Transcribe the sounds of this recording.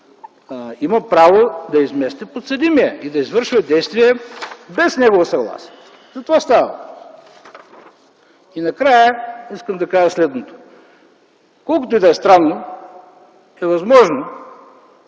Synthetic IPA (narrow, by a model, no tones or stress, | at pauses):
imɐpɾavod̪ɐizmɛst̪ɛpot̪sɐd̪imiɛid̪ɐizvɤɾʃvɛd̪ɛjst̪viɛbɛsnɛɡovɐsɐɡlˠa̰si̥ɛ | zɐt̪ovast̪avɐ̰ | inɐkɾajəiskəmd̪ɐkaʒəslɛd̪not̪o̥ | kɔlˠkot̪oid̪ɛɛst̪ɾanːo | ɛvɐzmɔʒno